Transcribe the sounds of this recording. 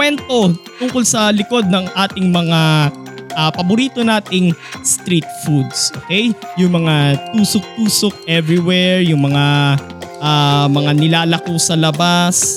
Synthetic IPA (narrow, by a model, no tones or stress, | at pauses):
kwɛnt̪o̞t̪ʊŋkolsɐlɪko̞d̪̚nɐŋʔaːt̪ɪŋmɐŋa | ʔɐːpɐbʊɾiːt̪o̞naːt̪ɪŋst̪ɾit̪̚fud̪sʔo̰ːkɛjjʊŋmɐŋat̪uːsok̚t̪uːsok̚ʔɛvɾɪwɛɹjʊŋmɐŋa | ʔamɐŋanɪlaːlɐkosɐlɐbas